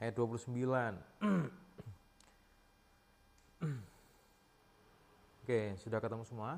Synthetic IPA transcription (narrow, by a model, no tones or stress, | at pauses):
ʔajat̪̚duapulusəmbilan | okesudakat̪amusəmua